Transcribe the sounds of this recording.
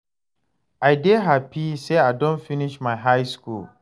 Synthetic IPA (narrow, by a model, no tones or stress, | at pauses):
ʔajdeːɦapiseʔadɔ̃nfɪnɪʃmajɦajskul